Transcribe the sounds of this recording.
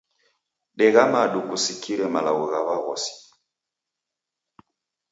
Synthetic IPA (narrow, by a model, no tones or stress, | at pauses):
ɗɛɣamaɗukusikʰiɾɛmalaɣuɣaβaɣɔ̰si̥